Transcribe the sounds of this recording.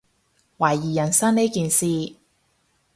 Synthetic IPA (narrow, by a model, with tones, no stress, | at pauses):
wa˨˩jːiː˨˩jɐ˨˩nsɐ˥ne˥kiː˨˧nsiː˨˧